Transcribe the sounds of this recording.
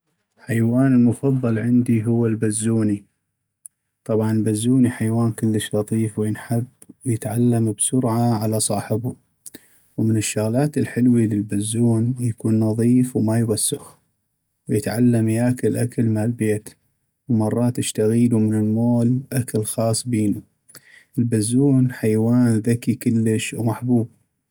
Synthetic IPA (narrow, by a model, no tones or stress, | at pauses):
ħajwaːnɪlmʊfɑðˤːɑlʕɪnd̪iɦʊwːalbazːuːni | t̪ˤɑbʕɑnlbazːuːniħajwaːnkəlːəʃlɑt̪ˤiːfwjɪnħɪb | jɪt̪ʕalːambsʊɾʕaʕalasˤɑːħɪbu | wmənɪʃːʊɣlaːt̪ɪlħɪlwilɪlbazːuːnjakuːnːɑðˤiːfwmajwasːʊx | wjɪt̪ʕalːamjakalʔakalmalbeːt̪ | wmɑrˤːɑːt̪ɪʃt̪aɣiːlumɪnɪlmoːlʔakalxɑːsˤbiːnu | ʔəlbazːuːnħajwaːnðakikəlːəʃwmaħbuːb̚